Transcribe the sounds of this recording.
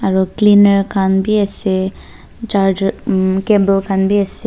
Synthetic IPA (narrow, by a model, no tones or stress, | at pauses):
aɾuklinəɾkʰanbʱiɛse | t͡ʃaɾd͡ʒkebəlkʰanbʱiɛse